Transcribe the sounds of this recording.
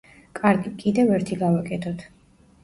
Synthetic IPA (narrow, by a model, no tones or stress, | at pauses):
kʼaɾɡikʼid̪ɛvɛɾt̪ʰiɡavakʼɛt̪ʰɔt̪ʰ